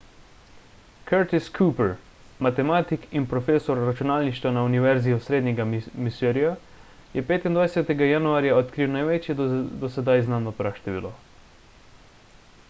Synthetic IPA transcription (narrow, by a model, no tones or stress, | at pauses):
kʰɛɾt̪iskʰuːpɛɾ | mat̪ɛmaːt̪ikinpɾɔfeːsɔɾːat͡ʃunaːlniʃt̪ʋanauniʋɛɾziɔsɾeːd̪ɲʲɛɡamisøɾija | jɛpeːt̪ind̪ʋajsɛt̪ɛɡajanuaːɾjaɔt̪kɾiwnajʋɛt͡ʃjɛd̪ɔsɛd̪ajznaːnɔpɾaʃt̪ɛʋḭːlɔ